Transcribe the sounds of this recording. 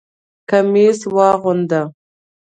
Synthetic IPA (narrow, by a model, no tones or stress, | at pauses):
kameswɑːɣʊnd̪a